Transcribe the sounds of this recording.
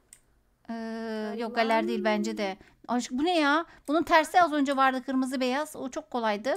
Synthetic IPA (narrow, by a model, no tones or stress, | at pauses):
ɯːjo̞k̚ɡelʲːæɾd̪ejilʲbænd͡ʒed̪ɛ | at͡ʃɯk̚bunejaːb̥ununt̪ʰæɾsiazø̞nd͡ʒɛvaɾd̪ɯkʰɯɾmɯzɯbe̞jaz̥ot͡ʃʰo̞kʰːo̞lˠajd̪ɯ